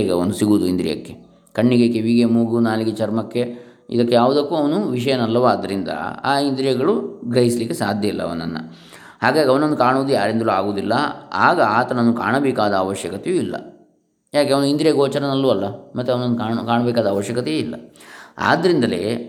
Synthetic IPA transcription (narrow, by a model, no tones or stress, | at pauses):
ɡeond̪usiɡuːd̪uind̪ɾḭjɐ̰kːe̞ | kɐɳːiɡekeʋiɡemuːɡunaːliɡet͡ʃɐɾmɐkːe̞ | ḭd̪ɐkːejaːʋud̪ɐkːuɐʋɐnuʋiʂɐjɐnɐlːɐʋaːd̪ːɐɾind̪ɐ̰a̰ːind̪ɾijɐɡɐɭuɡɾɐɦislikːesaːd̪ʱjɐilːɐ̰ɐ̰ʋɐ̰nːɐ̰nːɐ̰ | haːɡaːɡɐʋɐnond̪ukaːɳuʋːd̪ujaːɾend̪ɐluaːɡoːd̪ilːɐ̰a̰ːɡɐaːt̪ɐnɐnːuka̰ːɳɐbɛːkaːd̪ɐːʋɐʃjɐkɐt̪ejuilːɐ̰ | jaːkeɐʋɐnuind̪ɾijɐɡoːt͡ʃɐɾɐnɐlːuɐlːɐmɐt̪ːuɐʋɐnond̪ukaːkaːɳɐbɛːkaːd̪ɐːʋɐʃjɐkɐt̪ɛjilːɐ̰a̰ːd̪ɐɾind̪ɐle̞̰ː